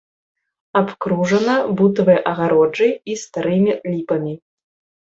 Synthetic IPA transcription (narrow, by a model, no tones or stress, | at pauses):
apkɾuʐɐnɐbut̪ɐvɐjʔɐɣaɾɔd͡ʐɨjist̪aɾɨmʲilʲipɐmʲi